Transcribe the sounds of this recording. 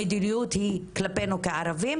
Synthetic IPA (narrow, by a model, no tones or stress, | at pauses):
ejd̪iniut̪hiklapenukaaɾavim